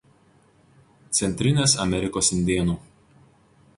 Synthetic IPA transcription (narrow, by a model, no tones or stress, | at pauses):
t̪sʲɛnʲt̪ʲɾʲɪnʲeːsɐmʲɛɾʲɪkoːsɪnʲd̪ʲeːnuː